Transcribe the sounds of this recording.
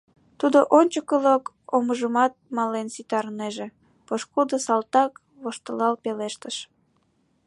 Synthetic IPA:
t̪ud̪oʔonʲt͡ɕəkəlok | oməʒəmɑt̪̚mɑlensit̪ɑɾneʒe | poʃkud̪osɑlt̪ɑk | βoʃt̪əlɑlpeleʃt̪əʃ

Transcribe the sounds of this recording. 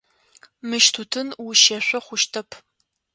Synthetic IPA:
mɨʃtʰutʰɨnwuʃɐɕʷɔχʷʊʃtʰɐpʰ

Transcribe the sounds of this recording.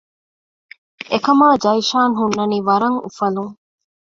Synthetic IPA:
ekɐmaːd͡ʒɐjʃaːnɦunːɐniːʋɐɾɐŋṵfɐluŋ

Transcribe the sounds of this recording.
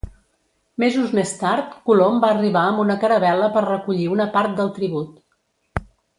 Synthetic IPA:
mezuzmest̪aɾt̪kulombaəriβaəmbunəkəɾəβɛləpəɾrəkuʎiunəpaɾt̪̚d̪əlˠt̪ɾiβut̪

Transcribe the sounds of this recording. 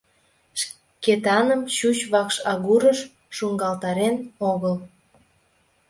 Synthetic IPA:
ʃ | ket̪ɑnəmɕut͡ɕβɑkʃɑɣuɾəʃ | ʃuŋɡɑlt̪ɑɾenoɣəl

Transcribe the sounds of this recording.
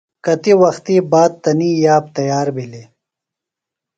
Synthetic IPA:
kɐt̪iwɐxt̪iːbaːd̪̚t̪ɐniːjaːb̚t̪ɐjaːɾbʱili

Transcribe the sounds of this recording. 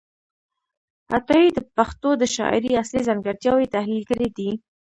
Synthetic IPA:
ha̰t̪ɑjid̪əpaxt̪od̪əʃɑ̰ʔɪ̰ɾiaslizaŋɡaɾt̪jɑwet̪ahlilkəɾid̪i

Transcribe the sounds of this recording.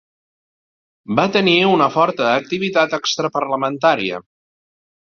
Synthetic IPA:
bat̪əniunəfɔɾt̪əːk̚t̪iβ̞it̪at̪əkst̪ɾəpəɾləmənt̪aɾiə̰

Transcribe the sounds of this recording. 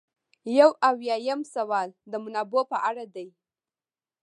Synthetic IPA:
jawawjɑjamsawɑld̪əmʊnabopəʔaɽad̪aj

